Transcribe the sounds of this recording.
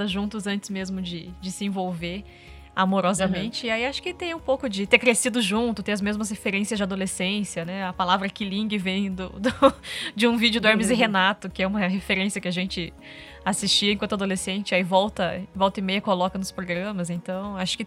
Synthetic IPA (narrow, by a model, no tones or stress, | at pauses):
d̪ɐʒũt̪ʊzɐ̃nt͡ʃ̪ɪ̥zmezmʊd͡ʒɪd͡ʒɪsɪẽvowveɾ | amoɾɔzɐmẽnt͡ʃɪːaiaʃʊ̥kɪt̪ẽj̃ũpowkʊd͡ʒɪt̪eɾkɾesid̪ʊʒũt̪ʊt̪ẽɐzmezmɐshefeɾẽsjɐzd͡ʒɪad̪olesẽsjɐnɛɐpalavɾɐkilĩŋɡɪvẽj̃d̪ʊd̪ʊd͡ʒɪũvid͡ʒʊd̪ʊaɾmizɪɦenat̪ʊkɪɛũmɐɦefeɾẽsijɐkɪaʒẽnt͡ʃɪ | asist͡ʃiɐ̃kwɐ̃nt̪ad̪olesẽnt͡ʃɪaivɔwt̪ɐvɔwt̪ɐɪmejɐkolɔkɐnʊspɾoɡɾɐ̃mɐzẽnt̪ɐ̃w̃aʃʊ̥kɪ